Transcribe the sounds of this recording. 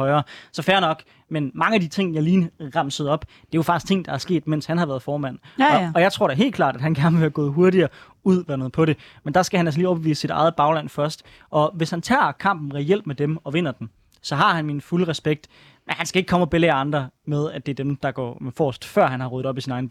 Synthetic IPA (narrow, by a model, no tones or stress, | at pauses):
ɒ̽ɪɐːsɒ̽fæɐnɒ̽ɡ̥ | menmɑ̈ŋəæd̥it͡sʰe̝ŋ̰jɑ̈ɪliːnəʁɑ̈msəð̞̩ˠɒ̽b̥ | d̥e̝jofɑ̈ɡ̥ist͡sʰe̝ŋ̰d̥ɑ̈æɐsɡ̥e̝̰ːd̥men̰shænhɑʋæɐð̩ˠfɒːmæn̰ɒ̽jɑ̈ɪt͡sʰʁo̝ɐɾ̥eɐɦe̝̰lkʰlɑ̰̈ːd̥æd̥hænɡ̥æɐnəʋe̝æɡ̥ɔ̰ːð̩ˠɦu̝ɐɾiɐː | uð̞̰ˠʋæɐnoːð̩ˠpʰɒ̽ɾe̝ | mend̥ɑ̈sɡ̥æhænæls̬liːɒʊb̥eʋḭːsə̥sid̥ɑ̈ɪð̩ˠb̥ɑ̈ʊlæn̰fɶɐsd̥ | ʔɒ̽ʋe̝shænt͡sʰɑ̰̈ːkʰɑ̈m̰b̥̚n̩ʁɛel̰b̥med̥emɒ̽ʋe̝n̰ɐd̥em | sɒ̽ɦɑ̈hænminfuləʁɛsb̥eɡ̥̚d̥ | menhænsɡ̥æe̝ɡ̥̚kʰɒ̽mʰɒ̽b̥elɑ̈nd̥ʁɐmeð̞ˠæd̥e̝æɐd̥emd̥ɑ̈ɡ̥ɒ̰ːfɒ̰ːsd̥fɶɐ̰ɦænhɑ̈ʁɔð̩ˠɒ̽b̥isinɑ̈ɪn